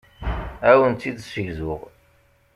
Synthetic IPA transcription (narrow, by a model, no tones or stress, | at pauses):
æwənt͡s̪ːid̪səʝzʊʁ